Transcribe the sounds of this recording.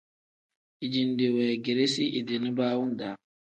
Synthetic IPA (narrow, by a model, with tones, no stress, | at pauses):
i˨d͡ʒi˨nde˨wɛ˨ɡi˨ɾe˦si˦ʔi˨di˨ni˦baː˦wu˦n˨da˨